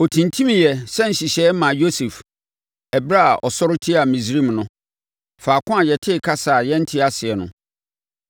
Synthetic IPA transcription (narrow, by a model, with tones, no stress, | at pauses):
o˨tʰĩ˨ntʰĩ˦mĩ˨jɛ˨sɛ˦n̩˨ɕi˨ɕɛ˦mã˨jo˦sɛ˨f | ɛ˨bɾa˦a˨ʔɔ̰˨sɔ˦ɾʊ˦tʰɪ˦a˨mĩ˨zɾĩ˦˨mnʊ̃˦ | faː˨kʰʊ̃˦a˨jɛ˨tʰɪ˦˨kʰa˦saː˨jɛ̃˦n̩˦tʰɪ˦a˦sɪ˨ɛ˨nʊ̃˦